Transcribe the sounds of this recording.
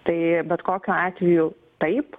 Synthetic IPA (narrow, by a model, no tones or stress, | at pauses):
t̪ɐɪbʲɛt̪koːkʲuːɑːt̪ʲʋʲɛjʊ | t̪ɐɪp